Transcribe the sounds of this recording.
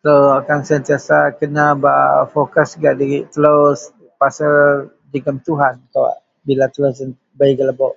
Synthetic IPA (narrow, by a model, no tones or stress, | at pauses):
t̪əloakansənt̪iasakənabaʔfokasɡaʔdəit̪əlos | pasa | d͡ʒəɡəmt̪uɦankawa̰ʔ | bilat̪əlosən | baiɡəlaboʔ